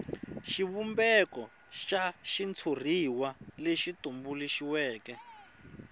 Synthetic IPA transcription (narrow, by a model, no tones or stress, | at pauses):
ʃiβumbɛkɔ | ʃaʃint͡sʰor̤iwaleʃitumbuliʃiwɛːkɛ